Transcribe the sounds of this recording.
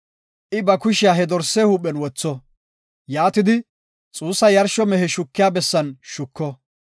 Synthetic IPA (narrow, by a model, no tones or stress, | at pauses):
ʔɪbɐkʊʃɪjaːɦɛd̪ɔɾsːeːhuːpːɛnwɔt͡sːɔ | jaːt̪ɪd̪ɪ | t͡sʼuːsːɐjɐɾʃɔmɛɦɛʃʊkːɪjaːbɛsːɐnʃʊkːɔ